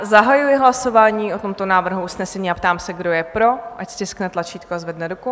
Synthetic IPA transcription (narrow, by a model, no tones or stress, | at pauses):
zaɦajujɪɦlaso̞vaːɲiːʔo̞t̪o̞mt̪o̞naːvr̩ɦuusnɛsɛɲiːapt̪aːmsɛɡdo̞jɛpɾo̞ʔacsc̪ʲɪsknɛt̪lˠat͡ʃiːt̪̚koazvɛdnɛdoko